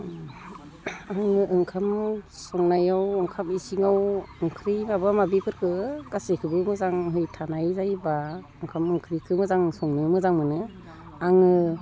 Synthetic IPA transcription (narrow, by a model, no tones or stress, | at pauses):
aŋɯʔɯŋkʰamsɔŋnajawɯŋkʰamisiŋawɯŋkʰɾimabamabipʰɯɾkʰɯɡasekʰɯbɯmɯzaŋɦɯjtʰanajzajbaɯŋkʰamɯŋkʰɾikʰɯmɯzaŋsɔŋnɯmɯzaŋmɯnɯ | aŋɯ